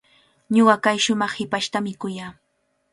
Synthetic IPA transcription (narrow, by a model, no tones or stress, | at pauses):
ɲoɢɑkajʃʊmɑχhɪpaʃt̪amɪkʊjaː